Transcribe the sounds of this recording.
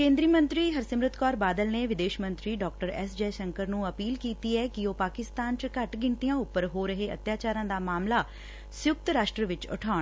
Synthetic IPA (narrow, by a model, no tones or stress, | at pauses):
kẽːnd̪ɾiːmə̃nt̪ɾiːɦəɾsəmɾɪt̪kɔːɾbaːd̪əlneːʋɪd̪eːʃmənt̪ɾiːɖɔːk̚ʈəɾɛ̰sd͡ʒɛːʃəŋkəɾnũːəpiːlkiːt̪iːɛːkɪoːpaːkɪst̪aːnt͡ʃəkəʈɡɪɳʈ̪ijãːʊpːəɾɦoːɾəɦeːə̰t̪jaːt͡ʃaːɾãːd̪aːmaːmlaː | sjʊk̚t̪ɾaːʃʈɾəʋɪt͡ʃʊ̰ʈʰaːɳ